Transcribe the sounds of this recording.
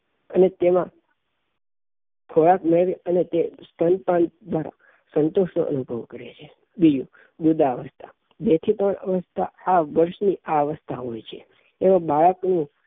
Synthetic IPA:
ənet̪emã | kʰoɭakmeɭʋiənet̪est̪ʰənpãnd̪ʋaɾa̰ | sənt̪oʃno̰ʔə̰nubʱəʋkəɾet͡ʃʰe | bid͡ʒũ | bud̪aəʋəst̪ʰa̰ | bet̪ʰit̪əɳəʋəst̪ʰaaʋəɾʃniʔaəʋəst̪ʰaɦojt͡ʃʰeː | ʋãbaɭəknũ

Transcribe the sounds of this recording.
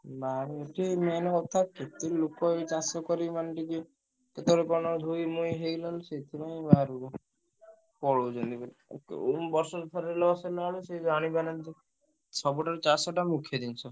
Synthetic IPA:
maɾieʈʰimɛnɔkɔt̪ʰaket̪ilokɔet͡ʃasɔkɔɾimanʈiki | ket̪ɔɾekɔnɔd̪ʱujmojɦejlɔlset̪ʰipaj̃baɾu | pɔɽod͡ʒɔnt̪ibɔɾkumbɔɾsɔt̪ʰɔɾelɔselaalused͡ʒaɽ̃ibanant̪i | t͡ʃʰɔbɔʈaɾt͡ʃasɔʈamukʰjɔd̪int͡ʃʰɔ

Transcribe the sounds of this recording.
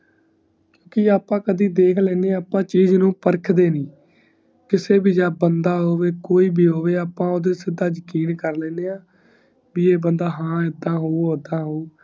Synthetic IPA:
kjõːkɪaːpãːkəd̪iːd̪eːkʰlɛ̃ːneːaːpãːt͡ʃiːznũːpəɾkʰd̪eːnĩː | kɪseːbiːd͡ʒaːbənd̪aːɦoːʋeːkoːiːbiːɦoːʋeːaːpãːoːd̪eːsɪd̪aːzəkiːnkəɾlɛ̃ːneːaː | biːeːbənd̪aːɦãːɪd̪ãːɦoːoːd̪ãːɦoː

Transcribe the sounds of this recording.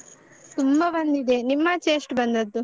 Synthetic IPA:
t̪umbɐʋɐnd̪id̪enimːɐt͡ʃe̞ːsʈbɐnd̪ɐd̪ːu

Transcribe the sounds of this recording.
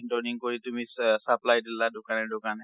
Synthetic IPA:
ɳʈoniŋkɔɾit̪umissaplajd̪ilːadukanɛɖokan

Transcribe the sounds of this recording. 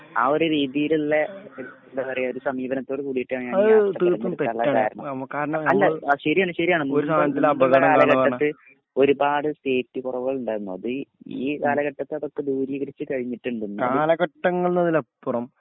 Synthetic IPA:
a̰oɾeɾiːðijililːe | dɐʋɐrɐjɐoɾusɐmiːbɐnɐt̪ːo̞ːɽɨkuːɽijiʈːɨaːɳɲaːɐðɨɐt̪ɨːt̪ːumt̪eɐɭːɐːaːɳa̰ːɾɐɳɐ̰ɐmkaːɾɐɳɐmɐlːɐɕɐɾiaːnːɐɕɐɾijaːɳunːoɾust̪aːɲːɐt̪ːilɐbʱɐɣɐɐmaːkaɐːɭɐʋaːɐɳːɨ | o̞ɾubaːɽɨst̪eːtːɨkurɐʋɨɣɐɭuɳɖaːɾunːuɐ̰ðɨiːkaːlɐɣɐʈːɐt̪ːɨɐðokːe̞d̪uːɾiːɣɐɾit͡ɕːɨkɐɻiɲːiʈːuɳɖunːkaɐːlɐɡɐʈːɐŋːɐɭnɐðilɐpːurɐm

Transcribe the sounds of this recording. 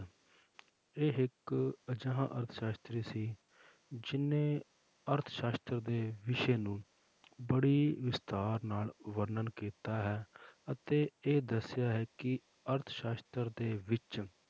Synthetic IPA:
eːɦɪkəd͡ʒãːɦãːʔəɾt̪ʰʃaːst̪ɾiːsiː | d͡ʒɪnẽː | əɾt̪ʰʃaːst̪əɾd̪eːʋɪʃeːnũː | bəɽiːʋɪst̪aːɾnaːlʋəɾnənkiːt̪aːɦɛːət̪eːeːd̪əsɪjaːɦɛːkɪ | əɾt̪ʰʃaːst̪əɾd̪eːʋɪt͡ʃ

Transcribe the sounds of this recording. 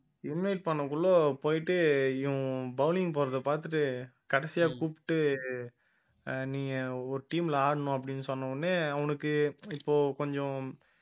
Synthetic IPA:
ɪnʋɐɪʈ̚pɐɳːɐkːʊɭːoːpoːjɪʈːɯɪʊ̃bɐʊlɪŋɡpoːɾɐðɐpaːɾt̪̬ɯʈːɯ | kɐɽɛsɪjaːkuːpɪ̥ʈːɯ | nĩːŋɡɐɔɾɯʈiːmɪlɐaːɽɐɳʊ̃ɐp̬ːɐɽɪnːɯsɔnːɐɐnːeɐʋɐnɯkːɯɪpːoːkɔɲd͡ʒɔ̃

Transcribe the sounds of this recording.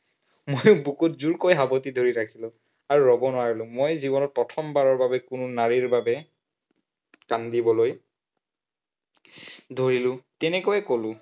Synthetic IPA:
mojʊbukut̚zuɹkojɦabɔtidʱoɹiɹakʰilʊ̃ | aɹuɹɔbɔnʊwaɹilʊ̃mojzibɔnɔt̚pɹɔtʰɔmbaɹɔɹbabɛkʊnʊnaɹiɹbabɛ | kandibɔloj | dʱoɹilʊ̃tɛnɛkojɛkolʊ̃

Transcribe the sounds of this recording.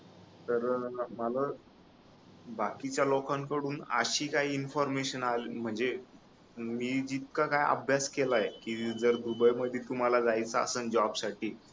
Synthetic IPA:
t̪əɾməla | bakit͡ɕjalokaŋkəɽuːnə̰ɕiːkaɦiːinfɔɾmeɕənalim̤əɳd͡ze | miːd͡ʑit̪̚kakajə̰bʱjaskelajekiːd͡zəɾd̪ubəjməd̪ʱːjit̪um̤alad͡zajt͡saə̰sənd͡ʑɔbsaʈiː

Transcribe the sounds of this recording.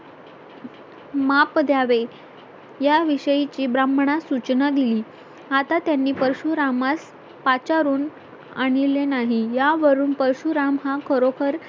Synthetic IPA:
mapd̪jaʋe | jaʋiɕəjit͡ɕiːbɾamɳasut͡ɕnəd̪iliː | at̪at̪janːiːpəɾɕuɾamas | pat͡ɕaɾuːn | a̰ɽ̃ilenaɦijaʋəɾuːnpəɾɕuɾamɦakʰəɾokʰəɾ

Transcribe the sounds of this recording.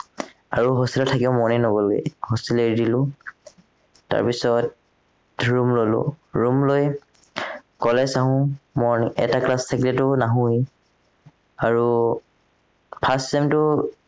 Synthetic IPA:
a̰ɹuɦɔstilɔtʰakiʊmɔninobɔloɡɛ̰hɔstileɹdilʊ̃ | ta̰ɹpisɔt | ɹumlolʊ̰ɹumloj | kɔlɛsaɦʊ̃mɔniɛ̰taklastʰakilɛtʊnaɦũj | aɹu | pʰasɛmtʊ

